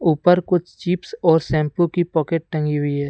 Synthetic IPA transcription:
uːpəɾkʊt͡ʃʰt͡ʃiːpsɔːɾsɛ̃ːmplõkipɔːkeːʈ̚ʈɐ̃ŋɡiɦʊiɦɛː

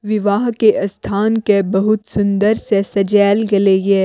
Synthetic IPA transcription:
ʋɪʋaːɦkeʔɐst̪ʰaːnkebɐɦʊt̪sʊ̃nd̪əɾsesɐd͡ʒɛːlɡɐleɡeː

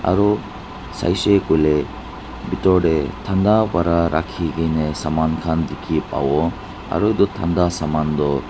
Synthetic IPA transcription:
a̰ɾu | sa̰jsekule | bitɔɖet̪ʰand̪abaɾaɾa̰kʰiɡinesamankʰand̪ikʰipa̰wɔ | a̰ɾued̪ut̪ʰand̪asamand̪ɔ

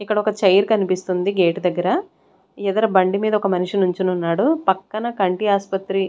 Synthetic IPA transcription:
ikːɐɽɐɔkɐt͡ʃɐjɐɾkɐnipist̪und̪iɡe̞ːʈd̪ɐɡːɐɾɐ | ɛd̪ɐɾɐbɐɳɖimiːd̪ɐɔkɐmɐniʂinuɲt͡ʃinunːaːɽupɐkːɐnɐkɐɳʈiaːspɐt̪ɾi

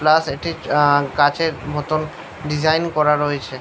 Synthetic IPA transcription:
plaseʈikat͡ɕeɾbʱɔt̪on | ɖizajnkɔɾaɾoet͡ɕʰe

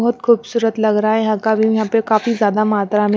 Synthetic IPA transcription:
ɔɦʊt̪kʰuːbsuːɾət̪lɐɡɾaajɐɦãːkabʱiʋɐɦãpekaːfizjaːd̪amaːt̪ɾame

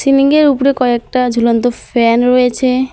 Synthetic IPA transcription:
siniŋɡeɾupɾekɔek̚ʈad͡ʑʱulont̪ofɛnɾojet͡ɕʰe

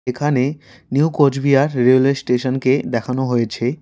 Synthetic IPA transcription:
ekʰane | niukod͡ʑbiaɾɾelesʈeʃonked̪ɛkʰanoɦojet͡ɕʰe

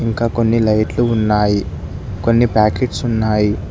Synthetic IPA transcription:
iŋkaːkonːilɐjʈluːnːaːji | konːipaːkeːʈsunːaːji

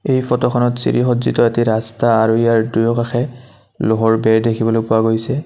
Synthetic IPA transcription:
ejfɔtɔxʰɔnɔtsḭɹixɔdzitɔetiɹastaːɹuejaɹdujɔkaxʰɛ | loɦɔɹbɛɹdekʰibɔlojpʊwaɡojsɛ

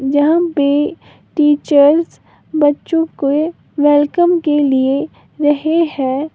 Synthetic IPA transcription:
d͡ʒɐɦãpe | ʈiːt͡ʃəɾs | bɐtːʃõko | ʋɛlkəmkelie | ɾɐɦehɛ̃ː

